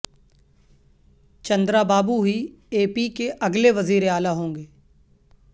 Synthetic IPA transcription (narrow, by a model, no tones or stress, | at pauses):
t͡ʃə̃nd̪ɾaːbaːbuɦi | eːpiːkeʔɐɡleʋəziːɾeaːlaɦõːŋɡeː